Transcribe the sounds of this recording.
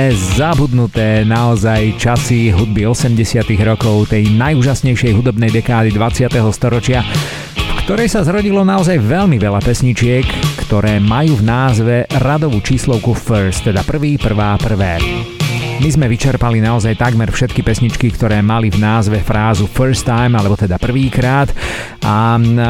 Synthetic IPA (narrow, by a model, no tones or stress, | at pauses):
ɛzabud̪nut̪ɛːnaɔzajt͡ʃasiɦud̪̚biɔsɛmɟɛsɪat̪iɣɾɔkɔʊt̪ɛjnajuːʒasɲɛjʃɪɛjɦud̪ɔbnɛjd̪ɛkaːd̪id̪ʋat͡sɪat̪ɛɦɔst̪ɔɾɔt͡ʃɪa | fkt̪ɔɾɛjsazɾɔɟilɔnaɔzajʋɛʎmiʋɛlapɛsɲit͡ʃɪɛkːt̪ɔɾɛːmajuːvnaːzʋɛɾad̪ɔʋuːt͡ʃiːslɔʊkufəɾst̪ːɛd̪apr̩ʋiːpr̩ʋaːpr̩ʋɛː | mizmɛʋit͡ʃɛɾpalinaɔzajt̪aɡmɛɾfʃɛt̪̚kipɛsɲit͡ʃkikt̪ɔɾɛːmalivnaːzʋɛfɾaːzufəɾst̪ːajmalɛbɔt̪ɛd̪apr̩ʋiːkɾaːd̪ | a